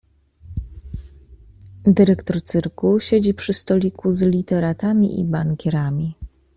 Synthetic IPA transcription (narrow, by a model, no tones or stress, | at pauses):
d̪ɘɾɛkt̪ɔɾt̪sɘɾkuɕed͡ʑipʂɘst̪ɔlʲikuzlʲit̪ɛɾat̪amʲḭʔḭbaŋkʲɛɾamʲi